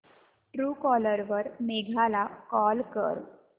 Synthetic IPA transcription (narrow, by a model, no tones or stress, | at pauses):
ʈɾuːkɔləɾʋəɾmeɡʱalakɔlkə̰ɾ